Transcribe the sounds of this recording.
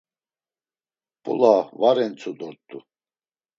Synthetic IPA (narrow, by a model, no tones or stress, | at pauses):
b̥ṵlavaɾɛnt͡sʰud̪ɔɾt̪ːu